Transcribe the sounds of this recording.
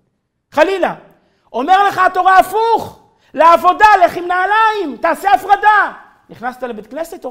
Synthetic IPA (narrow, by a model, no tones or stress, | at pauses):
χalila | o̞me̞ʁle̞χaat̪o̞ʁaːfuχ | leavo̞daleχimnaːlaimt̪aːseafʁad̪a | niχnast̪alebet̪kneset̪o